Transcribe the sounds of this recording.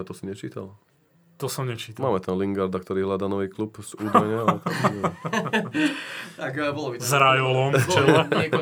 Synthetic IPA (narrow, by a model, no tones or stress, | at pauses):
t̪ɔsiɲɛt͡ʃiːt̪a̰l | t̪ɔsɔmɲɛt͡ʃiːt̪amaːmɛt̪ʰɛnliŋɡaɾd̪ak̚t̪ɔɾiːɦlad̪aːnɔʋiːklupzuːd̪ɛɲɛaɛt̪aɛ | t̪akːbɔlɔbizɾajɔlɔmɛa